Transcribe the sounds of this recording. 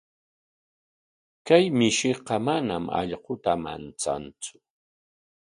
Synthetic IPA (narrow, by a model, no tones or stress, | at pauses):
kajmɪʃɪqɑmanamɑ̰ʎɢot̪ama̰nt͡sa̰nt͡sʊ̥